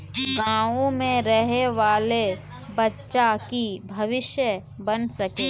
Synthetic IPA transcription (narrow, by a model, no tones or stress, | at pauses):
ɡãːõmẽɾəɦeʋaːle | bɐtːʃakibʱɐʋɪʃjə | bənsɐkeː